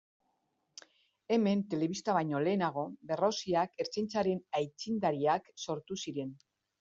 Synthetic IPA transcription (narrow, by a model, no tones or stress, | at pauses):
e̞me̞nt̪e̞le̞βist̪aβajɲo̞le̞ːnaɣ̞o̞be̞ro̞siake̞ɾt͡sejnt͡saɾe̞najt͡sind̪aɾiakso̞ɾt̪usiɾe̞n